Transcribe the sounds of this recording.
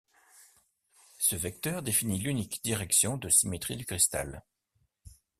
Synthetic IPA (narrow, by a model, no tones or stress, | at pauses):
səvɛk̚t̪œʁd̪efinilynikd̪iʁɛksjɔ̃d̪əsimet̪χid̪ykχist̪a̰l